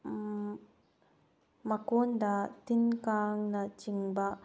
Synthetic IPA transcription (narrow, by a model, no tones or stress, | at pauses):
mɐkond̪at̪inkaːŋnɐt͡ʃiŋba